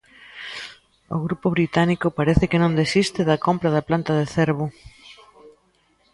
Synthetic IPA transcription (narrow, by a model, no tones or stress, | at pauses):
o̰ɣɾupʊβɾit̪anikʊpaɾeθɪkɪnõnd̪esist̪ɪðɐkompɾɐðɐplant̪ɐðeθeɾβʊ